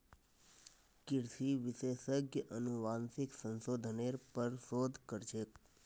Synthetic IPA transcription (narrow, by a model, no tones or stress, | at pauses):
kɪɾsiʋɪsesəɡjəʔənuʋansiksənsod̪ʱəneɾpəɾsod̪ʱkəɾt͡ʃʰek